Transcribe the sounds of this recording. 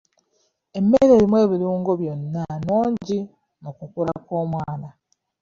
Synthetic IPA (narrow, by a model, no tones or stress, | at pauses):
e̞mːeɾe̞ːɾimwe̞ːβiɾuːŋɡo̞βjo̞nːanoːɲɟi | nokukula̰koːmwaːna